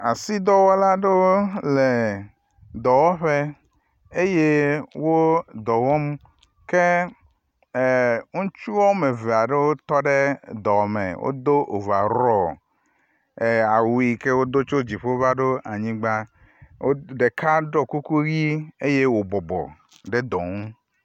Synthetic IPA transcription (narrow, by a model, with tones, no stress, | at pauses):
a˨si˦d̪ɔ˦wɔ˦la˦ɖe˦wo˦le˨ | d̪ɔ˨wɔ˦ɸe˦ | e˦je˦wo˦d̪ɔ˨wɔ˦m | ke˦˨ | ŋũ˦t͡ʃu˦wɔ˦me˨ve˨a˨ɖe˦wo˦t̪ɔ˦ɖe˦d̪ɔ˨mḛ˨wo̰˦d̪o˦ʔo˨va˨ɾɔ˦˨ | a˨wu˨i˨ke˦wo˦d̪o˦t͡ʃo˦d͡ʑi˨ɸe˦o˦va˦ɖo˦a˨ɲĩ˦ɡ͡ba˦ | wo˦ɖe˨kʰa˦ɖɔ˦ku˦ku˦ɣi˦e˦je˦wo˨bɔ˨bɔ̰˨ | ɖe˦d̪ɔ˨ŋu˦